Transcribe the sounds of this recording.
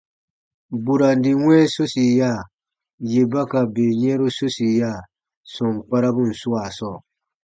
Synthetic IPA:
bu˨ɾa˨n˦di˨wɛ̃˦so˦si˨ja˦˨ | je˨ba˦ka˨be˨ɲɛ̃˦ɾu˦so˦si˨ja˦˨ | sɔ̃˨ŋk͡pa˦ɾa˦bũ˦˨n̩˨su˦a˨sɔː˦˨

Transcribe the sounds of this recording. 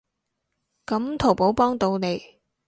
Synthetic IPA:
kɐ˨˥mt̪ʰo˨˩wpo˨˥wpɔː˥ŋt̪o˧wne˨˧j

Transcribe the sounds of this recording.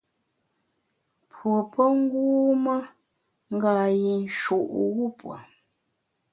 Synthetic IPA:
pʰwo˨pʰə˦ŋ̩˦ɡuː˦mə˦ | ŋ̩˦ɡaː˨ji˨n̩˨ʃu˨ʔɣu˦pwa̰˨

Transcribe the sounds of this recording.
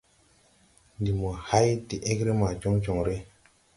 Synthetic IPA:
ndi˨mo˨ha˦jti˨ʔe˦kɾe˦ma˨t͡ʃo˦ŋt͡ʃo˨ŋɾe˦

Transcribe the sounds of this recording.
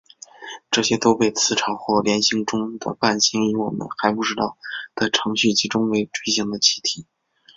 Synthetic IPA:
ʈ͡ʂɤ˥˩ɕjɛ˥t̪o˥ʊpe˥˩ɪt͡sʰɹ̩˥˩ʈ͡ʂʰɑ˧˥ʊxwɔ˥˩ljɛ˧˥nɕi˧˥ŋʈ͡ʂʊ˥ŋd̪ə̰˨˩pa˥˩nɕi˥ŋi˧˥wɔ̰˨˩mə̰˦nxa˧˥ɪpu˥˧ʈ͡ʂɻ̩˥t̪ɑ˥˩ʊt͡sa˥˩ʈ͡ʂʰɤ˧˥ŋɕy˥˩t͡ɕʰi˧˥ʈ͡ʂʊ˥ŋwe˧˥ɪʈ͡ʂwe˥ɕi˧˥ŋd̪ə˧t͡ɕʰi˥t̪ʰi˨˩˦

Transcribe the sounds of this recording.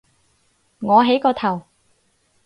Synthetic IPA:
ŋɔː˨˧ɦe˨˥jkɔː˧t̪ʰɐ˨˩w

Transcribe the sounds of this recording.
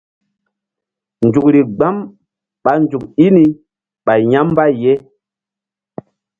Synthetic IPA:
nd͡ʒu˨k̚ɾi˨ɡ͡ba˦m | ɓa˨nd͡ʒu˨ki˦ni˨ | ɓa˨ɲa˦mba˦˨je˦

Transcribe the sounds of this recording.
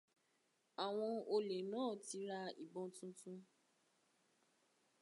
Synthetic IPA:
a˨w̃ɔ̃˧o˧le˨nãː˦˨ti˨˧˦ɾa˧i˨bɔ̃˧tũ˦tũ˦

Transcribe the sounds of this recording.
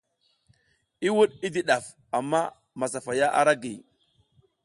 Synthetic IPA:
i˦wu˦ɗi˦di˦ɗa˨f | a˨mːa˦ | ma˨sa˨fa˨ja˦ʔa̰˦ɾa˦ɡḭ˨

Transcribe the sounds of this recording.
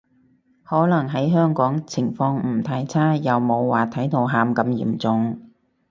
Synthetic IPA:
hɔː˨˥lɐ˨˩ŋɦɐ˨˥jɦœː˥ŋkɔː˨˥ŋt͡sʰɪ˨˩ŋfɔː˧ŋm̩˨˩t̪ʰaː˧jt͡sʰaː˥jɐ˨wmo˨˧wːaː˨t̪ʰɐ˨˥jt̪ʰo˨˧wɦaː˨˧mkɐ˨˧mjḭː˨˩mt͡sʊ˨˧ŋ

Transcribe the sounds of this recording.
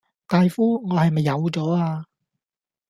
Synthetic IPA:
t̪aː˨jfuː˥ŋɔː˨˧hɐ˨jmɐ˨jːɐ˨˧wt͡sɔː˨˥aː˧

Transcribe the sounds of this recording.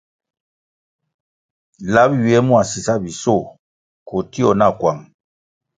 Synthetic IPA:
la˦bji˨ɛ˦mu˦a˨si˨sa˦bi˨so˦˨ | ko˨ti˦ɔ˨na˦˨kwa˨ŋ

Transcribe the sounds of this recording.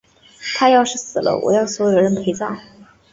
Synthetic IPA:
t̪ʰa˥jɑ˥˧ʊʂɻ̩˥˩sɹ̩˨˩lə̰˦wʔɔ̰˨˩jɑ˥˩ʊswɔ˧˥jo˨˩ɻə˧˥npʰe˧˥ɪt͡sɑ˥˩ʊ

